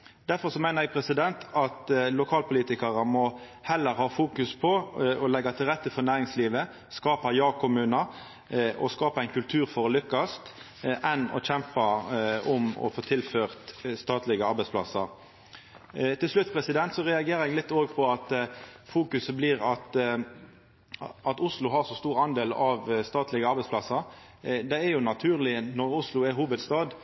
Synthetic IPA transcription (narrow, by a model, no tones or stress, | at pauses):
d̪̥æɾfɔɾsɔmæɪnəɾɛɡpʰɾɛsɪd̪ɛnt̪ʰɑt̪lʊkʰɑːlpʰʊliːt̪ɪkɑʁəmɔ | hɛlːəɾhɑːfuːkʉspʰɔɔlɛɡːɑt̪ʰɪlʁɛt̪ːəfɔɾnæːɾɪŋsliːʋə | skɑːpɑjɑːkʰʊmʉːnɑ | ɔskɑːpɑæɪnkʉlt̪ʰʉːɾfɔɾlʏkːɑst̪ | ʔɛnɔ̰çɛmpɑʊmɔ̰foːt̪ʰɪlføːʁt̪st̪ɑːt̪lɪɡəɑɾbɛɪspʰlɑ̰səʁ | t̪ʰɪlslʉt̪ːpʰɾɛsɪd̪ɛnt̪sɔʁɛɑɡeːɾɛɡlɪt̪ːoːɡpʰɔɑt̪fuːkʉsəbliːʁɑt̪ | ʔɑt̪ʊslʊɦɑʁsɔst̪uːʁɑnd̪eːlɑʋst̪ɑːt̪ʰlɪɡəɑɾbɛɪspʰlɑsəɾ | d̪ɛæɾjʊnɑt̪ʰʉːʁlɪənɔʁʊslʊɛɦuːbəd̪st̪ɑːd̪